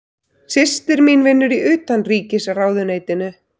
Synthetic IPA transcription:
sɪst̪ɪɾminvɪnːʏɾiʏːt̪anriːcɪsraːwðʏneːjt̪ɪnʏ

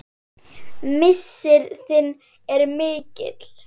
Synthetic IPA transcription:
mɪsːɪɾθɪnː | ɛɾmɪːcɪ̰t̪l̥

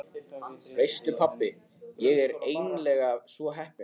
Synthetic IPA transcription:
vejst̪ʏpʰapːɪ | jɛɣɛɾeːjnlɛːɣavsvɔɦɛhpɪ

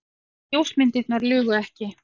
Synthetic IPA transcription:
jowsmɪnt̪ɪt̪naɾlʏːɣʏɛhcɪ

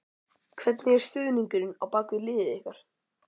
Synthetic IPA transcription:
kʰvɛt̪nɪɛɾ̥st̪ʏːðniŋkʏɾɪna̰wpaːkvɪlɪːðɪðɪhkaɾ̥

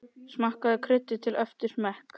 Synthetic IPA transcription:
smahkaðɪkʰɾɪt̪ːɪt̪ʰɪlœft̪ɪɾ̥mɛhk

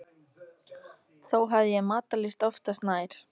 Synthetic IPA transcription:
θowɦavðɪjɛmaːt̪alɪst̪ɔft̪ast̪naːjɾ̥

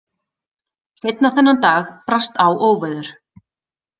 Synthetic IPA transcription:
sejt̪naθɛnːant̪aːxpɾast̪awʔoːwvajðʏɾ̥

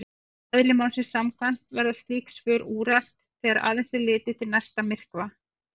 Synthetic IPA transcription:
ɛðlɪmawnsɪnsamkʰvan̥t̪vɛɾðḁθiːksvʏːɾuːɾal̥t̪θɛːɣaɾa̰ːðɛnsɪɾlɪːt̪ɪt̪ʰɪlnɛst̪amɪr̥kva

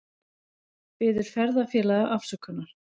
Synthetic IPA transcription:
pɪːðɪɾ̥fɛɾðafjɛːlaðaʔafsœkʰːʏnːaɾ̥

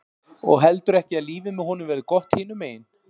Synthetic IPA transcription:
ɔ̰ɣɦɛlt̪ʏɾɛhcɪaðliːvɪmɛðhɔːnʏmvɛːɾðʏkɔht̪hɪːnʏmeːjɪn

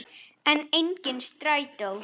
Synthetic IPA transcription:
ənɛnɡɪnstrajdɔlˠ

